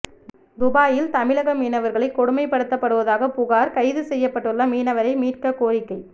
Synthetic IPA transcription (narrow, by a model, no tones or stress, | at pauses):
d̪ʊbaːjɪlt̪ɐmɪlɐɣɐmiːnɐʋɐɾɣɐɭɐɪkːɔɽɯmɐɪpːɐɽɯt̪ːɐpːɐɽɯʋɐðaːɣɐpʊɣaːɾkɐɪðɯsɛjːɐpːɐʈːɯɭːɐmiːnɐʋɐɾɐɪmiːʈkɐkoːɾɪkːɐɪ